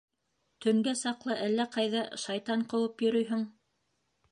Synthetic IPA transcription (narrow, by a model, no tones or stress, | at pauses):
t̪ʰɵ̆ŋɡæsɑqlˠɤʔælːæqɑjðɑʃɑjt̪ɑɴqɤ̆w̪ˠɤpjɵ̆ɾɵjɦɘŋ